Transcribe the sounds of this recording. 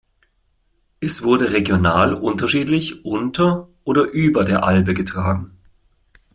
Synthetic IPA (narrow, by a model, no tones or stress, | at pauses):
ʔɛsv̥ʊɐdəʁeɡjonaːlʔʊntɐʃiːtlɪçʔʊntɐʔoːdɐʔyːbɐdeːɐʔalbəɡətʁ̥aːɡŋ̩